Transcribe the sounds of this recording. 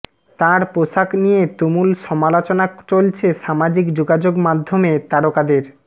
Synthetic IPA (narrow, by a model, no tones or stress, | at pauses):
t̪ãɾpoʃaknijet̪omulʃɔmalot͡ɕonat͡ɕolt͡ɕʰeʃamad͡ʑikd͡ʑoɡad͡ʑoɡmad̪ʱːomet̪aɾokad̪eɾ